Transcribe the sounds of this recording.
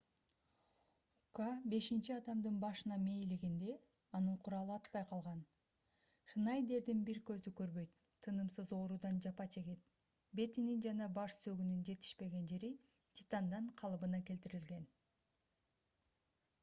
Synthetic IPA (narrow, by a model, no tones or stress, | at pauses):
ukɑbe̞ʃint͡ʃiɑd̪ɑmd̪ɯnbɑʃɯnɑmejliɡind̪e̞ | ɑnɯɴqʰuɾɑlˠɯɑt̪pɑjqʰɑlˠʁɑn | ʃɯnɑjd̪e̞ɾd̪inbiɾkø̞zykø̞ɾβø̞jt̪ʰːɯnɯmsɯzo̞ːɾud̪ɑnd͡ʒɑpɑt͡ʃʰe̞ɡet̪̚ | be̞t̪inind͡ʒɑnɑbɑʃsø̞ɡynynd͡ʒe̞t̪i̥ʃpe̞ɡe̞nd͡ʒe̞ɾi | t̪ʰʲi̥t̪ɑnd̪ɑɴqʰɑlˠɯbɯnɑke̞lt̪iɾilɡe̞n